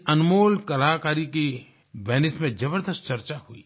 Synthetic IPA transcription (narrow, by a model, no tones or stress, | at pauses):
ɐnmoːlkɐlaːkaːɾiki | bɛːnɪsmẽd͡ʒɐbəɾd̪əst̪̚t͡ʃɐɾt͡ʃahuiː